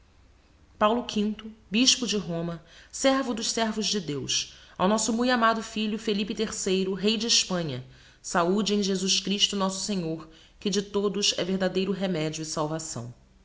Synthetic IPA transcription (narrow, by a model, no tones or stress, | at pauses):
pawlʊkʰĩnt̪ʊbiʃpʊd͡ʒɪɦõmɐsɛɾvʊd̪ʊʃsɛɾvʊʒd͡ʒɪd̪ewsa̰wnɔsʊmũj̃amad̪ʊfiʎʊfelipɪt̪eɾsejɾʊɦejd͡ʒɪɪʃpɐ̃ɲɐ | saud͡ʒɪẽj̃ʒezuʃkɾiʃt̪ʊnɔsʊ̥sẽɲoɾ | kɪd͡ʒɪt̪od̪ʊʃɛ̰veɾd̪ad̪ejɾʊɦemɛd͡ʒiʊɪsawvasɐ̰̃w̃